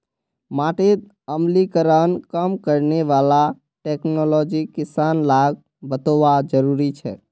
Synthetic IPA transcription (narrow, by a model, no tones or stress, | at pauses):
maʈet̪ | əmlikəɾənkəmkəɾneʋala | ʈeːknolɔd͡ʒikɪsanlaɡ̚ | bət̪oʋad͡ʒəɾuɾit͡ʃʰɛ̰ː